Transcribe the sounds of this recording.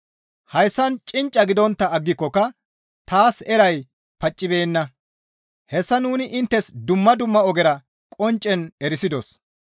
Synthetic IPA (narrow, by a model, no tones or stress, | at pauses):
hɐjsːɐnt͡ʃʼɪnt͡ʃʼːɐɡɪd̪ɔnt̪ːɐːɡːɪkːɔkːɐ | t̪aːsɛɾɐj | pɐt͡ʃʼːɪbe̞ːnːɐ | hɛsːɐnuːnɪʔɪnt̪ːɛsd̪ʊmːɐd̪ʊmːɐɔɡɛɾɐ | kʼɔnt͡ʃʼːɛnɛɾɪsɪd̪ɔs